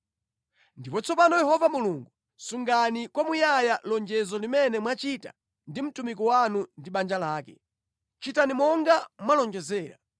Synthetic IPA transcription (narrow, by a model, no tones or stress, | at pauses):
ndipɔt͡sʰɔpanɔjɛhɔvamuluŋɡu | suŋɡanikwamujajalɔnd͡ʒɛzɔlimɛnɛmwat͡ʃita̰ | ndim̩tumikɔwanundiɓand͡ʒalaːkɛ | t͡ʃitanimɔŋɡamwalɔnd͡ʒɛzɛːɾa̰